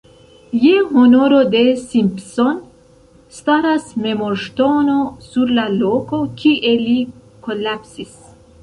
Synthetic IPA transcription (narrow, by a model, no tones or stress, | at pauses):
jehonoɾod̪esimpson | st̪aɾasmemoɾʃt̪onosuɾlaloːkokʰiʔeli | kolapsis